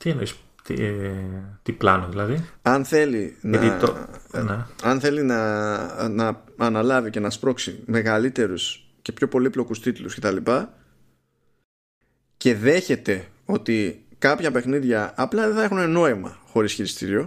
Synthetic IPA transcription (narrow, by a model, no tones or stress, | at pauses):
t̪ienois | t̪ḭ | t̪iplɐnoðilɐðiɐnθe̞linɐ̰ineɐnθe̞linɐ | nɐɐnɐlɐvicenɐspɾo̞ksime̞ɣɐlit̪e̞ɾus | ce̞pço̞po̞liplo̞kust̪it̪ulusce̞t̪ɐlipɐ | ce̞ðe̞çe̞t̪e̞o̞t̪ikɐpçɐpe̞xniðʝɐːplɐðeθɐexuneno̞imɐ̰xo̞ɾisçiɾist̪iɾio̞